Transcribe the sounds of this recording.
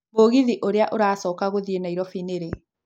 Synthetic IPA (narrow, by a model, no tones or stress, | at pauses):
moɣiðiʔoɾeaʔoɾaːsɔːkaɣoðienaiɾɔfineɾe